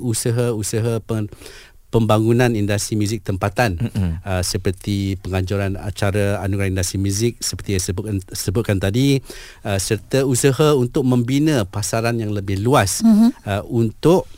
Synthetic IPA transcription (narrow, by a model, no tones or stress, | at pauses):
usəɦəusəɦəə | pəmbaŋunãnindast̪ɾimuzɪk̚t̪əmpat̪anəsəpərt̪ipəŋaɲd͡ʒuɾana̰t͡ʃaɾaa̰nuɡɾahindast̪ɾimuzɪk̚səpərt̪ijasəbʊt̪̚kant̪adi | əsərt̪əusəɦaunt̪ʊk̚mə̃mbinə̃pasaɾanjaŋləbɪhluasəʔunt̪ʊʔ